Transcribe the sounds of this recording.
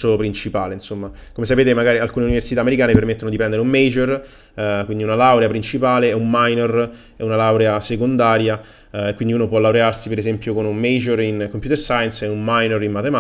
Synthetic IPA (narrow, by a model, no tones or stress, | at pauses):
opɾint͡ʃipaːleinsomːakomesapeːt̪emaɡaːɾialkuːneuniversit̪aːmeɾikaːnepermet̪ːonod̪ipɾɛnd̪eɾeumːed͡ʒer | kwind̪iunalawɾeapɾint͡ʃipaːleɛummːajnor | ɛunalawɾeasekond̪aːɾja | ekːwind̪iuːnopwɔlawɾearsipeɾezɛmpjokonummejd͡ʒerinkompjut̪ersajnsɛunmajnoɾimmat̪ema